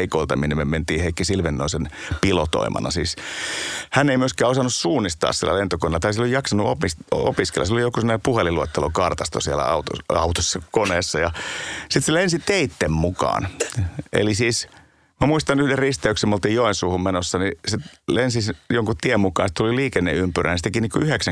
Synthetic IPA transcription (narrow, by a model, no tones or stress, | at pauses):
ikoilt̪ɑminemement̪iːheikːisilʋenːoinsenpilot̪o̰imɑ̰nɑ̰sḭːs | hænːeimyøskæːosɑnussuːnːˑist̪ɑ̰ːssḭlːæ̰lent̪okonelːɑt̪ɑisieloijɑksɑnuopiso̰piskḛl̰ːɑsilolijokusemːonepuheliluot̪ːelokɑrt̪ɑst̪o̰sielæ̰ɑut̪o̰ɑut̪osːɑkoneːsːɑjɑsit̪selensit̪eit̪ːemmukɑ̰ːnʔḛlisiːs | mæmuist̪ɑnyhderrist̪æyksemolt̪iːjjoensuːhummenosːɑniset̪lensisjoŋkutt̪iemmukɑ̰ːnst̪t̪uliliːkenːeympyrʔæ̰nst̪ekiniːkyheksæ